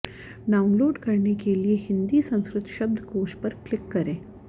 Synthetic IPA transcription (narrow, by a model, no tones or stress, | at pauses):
ɖaunloːɖkəɾɳekelijeɦind̪iːsə̃w̃skɾɪt̪ʃəb̚d̪ʱkoːɕpəɾklɪkːəɾẽ